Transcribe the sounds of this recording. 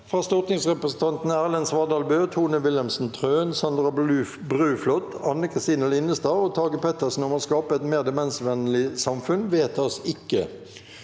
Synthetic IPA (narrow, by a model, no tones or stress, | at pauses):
fʁɑːst̪ɔʁt̪nɪŋsʁɛpɾəsən̩t̪ɑnt̪n̩æːʁlɛnsʋɑd̪ɑlbøːt̪ʰuːnəʋɪlɛmsn̩t̪ʰʁøːnsɑnd̪ʁɑ | bʁʉːflɔt̪ɑnːəkʰʁɪst̪iːnəlɪnəst̪ɑːoːt̪ʰɑːɡəpʰɛt̪əsn̩ɔmoːskɑːpəɛt̪meːʁd̪ɛmɛnsʋɛnlɪsɑmfʉnʋeːt̪ɑsɪkːə